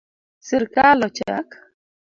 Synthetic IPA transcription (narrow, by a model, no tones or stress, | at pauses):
sɪɾkalɔt͡ʃak